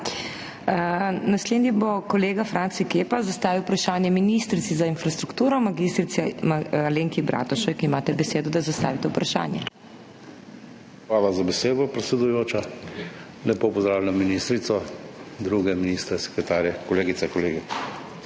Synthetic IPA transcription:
nasled̪nibokɔleːɡafɾaːnsikeːpazast̪aːʋiwpɾaʃaːnjɛminist̪ɾit̪sizainfɾast̪ɾukt̪uːɾɔmaɡist̪ɾit̪sɛmaleːŋkibɾʔa̰ːt̪ɔʃɛkimaːt̪ɛbɛseːd̪ɔd̪azast̪a̰ːʋit̪ɛupɾaʃa̰ːnjɛ̰ | xʋaːlazabɛseːd̪ɔpɾɛt̪sʲɛd̪ujoːt͡ʃa | lɛpopɔzd̪ɾaːwlɛnaminist̪ɾit̪sɔd̪ɾuɡɛminist̪ɾɛsɛ̥kɾɛt̪aːɾjɛkɔleːɡisɛkɔleːɡi

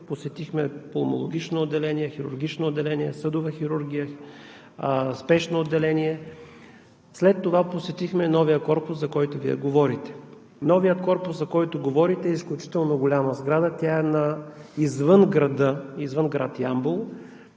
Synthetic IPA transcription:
posɛt̪ixmɛpolˠmo̰lˠo̰ɡ̟ʲit͡ʃnoːd̪ːɛlɛniɛxiɾʊ̰ɾɡ̟ʲit͡ʃnoːd̪ːɛlɛniɛ̰sɤd̪ʊvɐxiɾuɾɡʲijə | spɛʃnood̪ːɛlɛniɛ | slɛt̪ːovaposɛt̪ixmɛnɔvijəkɔɾpʊszɐkɔjt̪ʊviɛ̰ɡovɔɾit̪ɛ̥ | nɔvijət̪kɔɾpʊszɐkɔjt̪oɡovɔɾit̪ɛːisklʲut͡ʃi̥t̪ɛlˠnoɡolʲaməzɡɾad̪ət̪ʲjaɛnɐizvɤnɡɾɐd̪əizvɤnɡɾa̰t̪jambolˠ

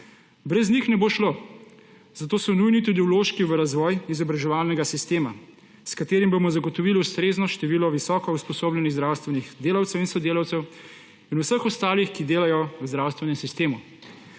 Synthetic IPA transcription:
bɾɛznixnɛboːʃlo | zat̪oːsɔnujnit̪ud̪iwloːʃkiʋəɾazʋɔjizɔbɾaʒɛʋaːlnɛɡasist̪eːma̰ | skat̪eːɾimbomɔzaɡɔt̪ɔʋiːliust̪ɾeːznɔʃt̪ɛʋiːlɔʋisɔkɔuspɔsoːblɛniɣzd̪ɾaːwst̪ʋɛnixd̪eːlawt̪sɛwinsɔd̪eːlawt̪sɛw | inuwsəxɔst̪aːlixkid̪eːlajɔzd̪ɾaːwst̪ʋɛnɛmsist̪eːmu

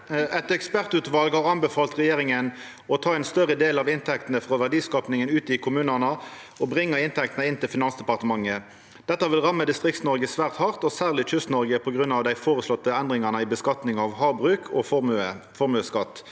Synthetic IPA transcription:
ʔɛt̪ɛkspæʁt̪ʉːt̪ʋɑlɡhɑʁɑnbəfɑːlt̪ʁɛjeːʁɪŋən | ɔt̪ʰɑːɛɪnst̪œʁəd̪eːlɑʋɪnt̪ʰɛk̚t̪nəfʁoːʋæʁɖiːskɑːpnɪŋənʉːt̪ɪkʰʊmʉːnənə | ɔbʁɪŋːəɪnt̪ʰɛkt̪ənəɪnt̪ʰɪlfɪnɑnsd̪ɛpɑʁt̪əmɑŋːə | d̪̥ɛt̪ːəʋɪlʁɑmːəd̪ɪst̪ʁɪkt̪snɔɾɡəsʋæːʁt̪hɑʁt̪ɔsæːʁlɪc͡çʏst̪nɔɾɡəpʰɔɡʁʉnːɑʋd̪æɪfoːʁəslɔt̪ːəɛnd̪ʁɪŋɑʁnəɪbəskɑt̪nɪŋɑʋhɑːbʁʉːkʰɔffɔʁmʉːskɑt̪ː

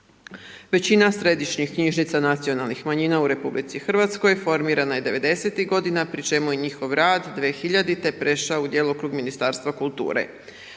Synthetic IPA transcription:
ʋe̞t͡ɕinasɾe̞d̪iʃɲixkɲiʒnit̪sanat̪sio̞nalnixmaɲiːnauɾe̞publit̪sixr̩ʋat̪sko̞jfo̞ɾmiːɾanajed̪e̞ʋe̞d̪e̞se̞t̪iɣɡo̞d̪inapɾit͡ʃe̞mujiɲixo̞ʋɾaːd̪ːʋexiʎad̪it̪e̞pɾe̞ʃaoud̪jeːlˠuokɾuɡminist̪aːɾst̪ʋakulˠt̪ṵːɾḛ

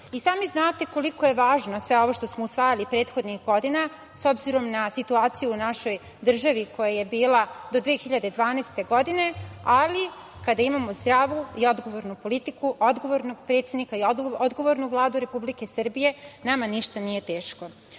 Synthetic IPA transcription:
isaːmiznaːt̪e̞ko̞liko̞je̞ʋaːʒnosʋe̞o̞ʋo̞ʃt̪o̞smousʋaːjalipɾe̞ːt̪xo̞d̪nixɡo̞d̪ina | so̞bziɾo̞mnasit̪uaːt̪sijuːnaʃo̞j | d̪r̩ʒaʋiko̞jaje̞biːlˠad̪od̪ʋeːxiʎad̪ed̪ʋaːnest̪e̞ɡo̞d̪ine̞ali | kad̪aimamo̞zd̪ɾaʋuio̞d̪ɡo̞ʋoɾnupo̞lit̪ikuod̪ɡo̞ʋoɾnoɡpɾe̞t̪sed̪nikaiod̪ɡo̞ʋo̞ɾnuvlˠaːd̪uɾe̞publike̞sr̩bije̞namaniʃt̪anije̞t̪e̞ːʃko̞

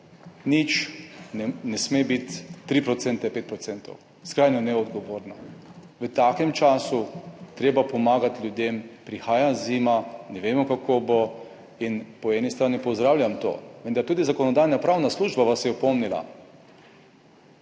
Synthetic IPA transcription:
nit͡ʃ | nɛsmebit̪ːɾipɾɔt̪sɛnt̪ɛpeːt̪̚pɾɔt̪sɛnt̪ɔ̰w | skɾaːjnɔnɛɔd̪ɡɔʋoːɾna | ʋət̪aːkɛmt͡ʃaːsut̪ɾeːbapɔmaːɡat̪ljud̪empɾixaːjaziːmanɛʋeːmɔkakʰobo | inpɔɛnist̪ɾaːnipɔzd̪ɾaːwlʲjamt̪o̰ːʋənd̪aɾt̪uːd̪izakɔnɔd̪aːjnapɾawnasluːʒbaʋasjɛɔpɔmnila̰

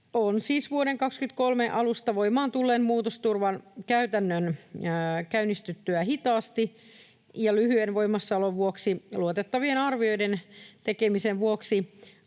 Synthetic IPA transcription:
onsiːsʋuoɾeŋkɑkskyt̪kolmeʔɑlust̪ɑʋoimɑːnt̪ulːeːmmuːt̪ost̪urʋɑnkæyt̪ænːøn | kæynist̪yt̪ːyæhit̪ɑːst̪i | jɑlyhyenʋo̞imɑsːɑloʋʋuoksiluot̪et̪ːɑʋienɑrʋio̞jdent̪ekemiseʋʋuoksi

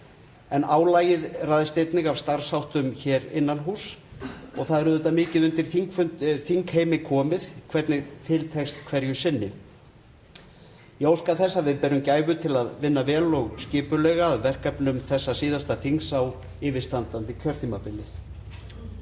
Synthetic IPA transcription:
ɛnaːwlaːjɪðraːðɪst̪ejt̪nɪɣavst̪aɾ̥sawht̪ʏmçɛːɾɪnːanɦuːsɔɣθaðɛɾʏðʏt̪ːamɪːcɪðʏnt̪ɪɾ̥θiŋkfʏnθiŋkheːjmɪkʰɔːmɪðkʰvɛɾt̪nɪɣt̪ʰɪlt̪ʰɛkst̪kʰvɛɾjʏsɪnːɪ | jowskaθɛsːavɪðpɛɾʏmcaːjvʏt̪ʰɪlaðvɪnːavɛːlɔɣscɪːpʏlɛɣaðvɛr̥kapnʏmθɛsːasiːðast̪aθiŋsaw | ɪːvɪ̥st̪ant̪ant̪ɪcʰœɾ̥θʰiːmapɪlːɪθ

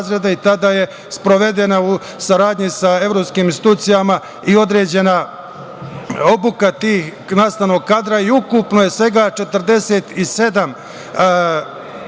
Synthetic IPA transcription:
zɾed̪ait̪ad̪aːje̞ | spɾo̞ʋe̞d̪enau | saɾaːd̪ɲisae̞ʋɾo̞ːpskiːminst̪i̥t̪uːt̪sijama | io̞d̪ɾe̞ːd͡ʑe̞na | o̞bukat̪iːx | naːst̪ano̞ɡ̚kaːd̪ɾaiukupnoje̞sʋe̞ɡaːt͡ʃe̞t̪ərd̪e̞seːt̪ise̞d̪am

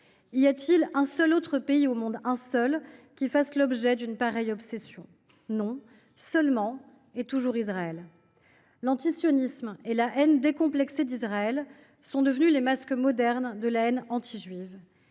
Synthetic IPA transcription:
iljat̪ʰilɛ̃sœlot̪χəpeiomɔ̃d̪ɛ̃sœlkʲifaslɔbʒɛd̪ynpaʁɛjɔpsɛsjɔ̰̃ | nɔ̃ | sœlmɑ̃ | et̪uʒuʁizʁaɛl | lɑ̃t̪isjɔnismelaʔɛnd̪ekɔ̃plɛksed̪izʁaɛl | sɔ̃d̪əvnylemaskmɔd̪ɛʁnd̪əlaɛnɑ̃t̪ʰiʒɥiv

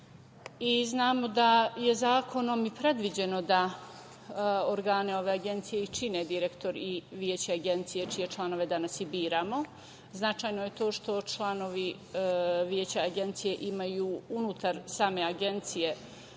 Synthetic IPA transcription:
iznaːmo̞d̪aje̞zaːkʰo̞no̞mipɾe̞d̪ʋid͡ʑe̞no̞d̪a | oɾɡaːneo̞ʋe̞aɡe̞nt̪sijeit͡ʃined̪iɾe̞kt̪o̞ɾiʋjeːt͡ɕeaɡe̞nt̪sijet͡ʃije̞t͡ʃlˠanoʋe̞d̪anasibiːɾamo̞ | znat͡ʃaːjno̞jet̪o̞ːʃt̪o̞t͡ʃlˠano̞ʋi | ʋjeːt͡ɕaaɡe̞nt̪sije̞ʔimajuːunut̪aɾsaːme̞aɡe̞nt̪sije̞

